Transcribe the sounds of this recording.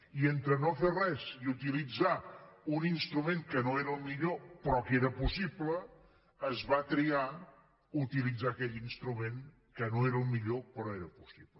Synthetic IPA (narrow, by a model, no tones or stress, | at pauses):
ient̪ɾənoferɛziut̪ilid͡zauninst̪ɾumẽŋkənoeɾəlˠmiʎopɾɔkeɾəpusiplə | əzβat̪ɾia | ut̪ilid͡zaəkɛʎinst̪ɾumeŋ | kənoeɾəlˠmiʎopɾɔeɾəpusiplə